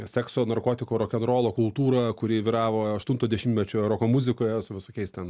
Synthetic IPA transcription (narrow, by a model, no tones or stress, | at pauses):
sʲɛksoːnɐrkoːt̪ʲɪkoːɾoːkʲɛnɾoːlˠoːkʊlˠt̪uːɾɐkʊɾʲɪːʋʲiːɾɑːʋoːɐʃt̪ʊnt̪oːd̪ʲɛʃʲɪmtʲmʲɛt͡ʃʲʊːɾoːkoːmʊzʲɪkoːjɛsʊʋʲɪsoːkʲɛɪst̪ʲɛn